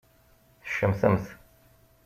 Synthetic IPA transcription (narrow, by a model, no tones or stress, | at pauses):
θə̥ʃːəmθəmθ